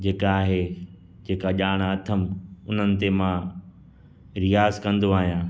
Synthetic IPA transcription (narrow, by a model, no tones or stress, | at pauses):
d͡ʑeːkaːɦe | d͡ʑeːkaʄaːɽ̃aɐt̪ʰəmʊn̤ənɪ̆t̪emã | ɾijaːzkɐ̃nd̪oaːɦijãː